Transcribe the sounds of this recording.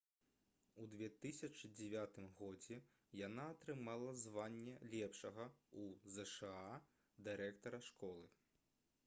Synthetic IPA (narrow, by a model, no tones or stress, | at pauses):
ud̪vʲɛt̪ɨsʲɐt͡ʂɨd͡zʲɛvʲat̪ɨmɣɔd͡zʲɛ | janaɐt̪ɾɨmalˠɐzvanʲːɛlʲɛpʂɐɣɐuzɛʂɛa | d̪ɨɾɛkt̪ɐɾɐʂkɔlˠɨ